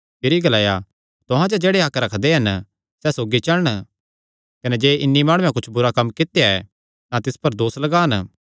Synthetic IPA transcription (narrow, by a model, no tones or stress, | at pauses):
ɪɾiɡɐlaːja | t̪ʊɦãd͡ʒod͡ʒeːɽeaːkɾɐkʰd̪eɦɐn | sɛsoːɡit͡ʃɐɭɽ̃ | kɐned͡ʒeːʔɪnːimaːɽ̃ʊ̃jãk̬ʊt͡ʃʰbʊɾakɐmːkɪt̪ejaɛ̰ | t̪ãt̪ɪspɐɾd̪oːslɐɡaːn